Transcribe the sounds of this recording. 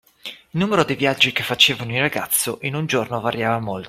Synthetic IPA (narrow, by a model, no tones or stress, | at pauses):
ilnuːmeɾod̪ivjad͡ʒːikefːat͡ʃeːvanoiraɡat̪sːoʔinund͡ʒornovaɾjaːvamolt̪o